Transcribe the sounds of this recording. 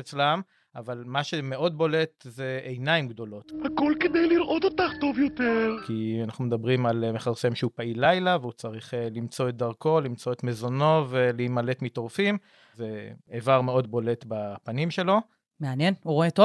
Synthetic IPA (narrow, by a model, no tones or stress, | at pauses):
et͡slam | avalmaʃe̞me̞ʔo̞d̪̚bo̞le̞t̪ze̞ejnaimɡd̪o̞lo̞thako̞lked̪ejliɾʔot̪ot̪aχt̪o̞vjot̪eʁkianaχnume̞d̪abʁimalmeχaʁse̞mʃeupailajlaveut͡saʁiχlimt͡so̞et̪̚d̪aʁko̞limt͡so̞et̪mezo̞no̞ve̞leimale̞tmito̞ʁfim | zeeːvaʁme̞o̞dbo̞le̞t̪bapanimʃe̞lo̞ | me̞anje̞nuʁoet̪o